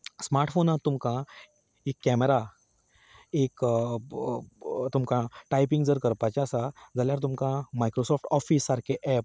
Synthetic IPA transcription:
smaɾʈfonat̪ːumkã | ekːɛmeɾa | ek | t̪umkãʈajpĩŋɡd͡zəɾkəɾpat͡ɕasad͡zaljaɾt̪̬umkãmajkɾosɔfʈɔfiːsːaɾkeʔɛp̚

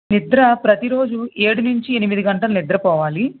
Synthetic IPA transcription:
nid̪ɾɐpɾɐt̪iɾo̞ːd͡ʒueːɽunuɲt͡ʃienimid̪iɡɐɳʈɐlɐnid̪ɾɐpɔːʋaːli

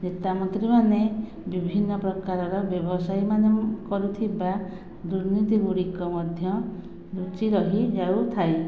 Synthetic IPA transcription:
net̪amɔt̪ɾimane | bibʱinːɔpɾɔkaɾɔɾɔbjɔbɔsajmanɔkɔɾut̪ʰiba | d̪uɾnit̪iɡuɽikɔmɔd̪ʱjɔ | d̪ut͡ʃiɾɔɦid͡ʒawt̪ʰaj

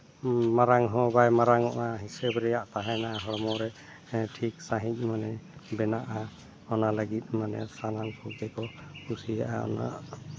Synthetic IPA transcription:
maɾaŋɦɔbajmaɾaŋɔʔaɦisɛbɾɛjaʔt̪aɦɛnaɦɔɽmɔɾɛ | ʈʰik̚saɦic̚ˀmanɛbɛnaʔa | ɔnalaɡit̪̚ˀmanɛ̰sanaŋsʰɔkɛkɔusijaʔaɔ̰na̰ʔ

